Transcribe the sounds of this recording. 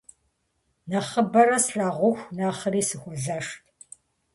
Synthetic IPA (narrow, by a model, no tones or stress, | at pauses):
nɐχəbɐɾɐsɬaːʁʷʊxʷnaːχəɾiːsɨxʷɔzaːʂtʰ